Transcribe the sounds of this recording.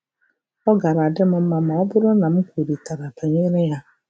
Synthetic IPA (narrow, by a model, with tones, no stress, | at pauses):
ɔ˦ɡa˨ɾa˨a˨dɪ˦m̩˨m̩˦ma˨ma˨ɔ˦bʊ˦ɾʊ˦na˨m̩˦kʰʷo˨ɾi˨tʰa˨ɾa˨pʰa˨ɲe˦ɾɪ˦ja˦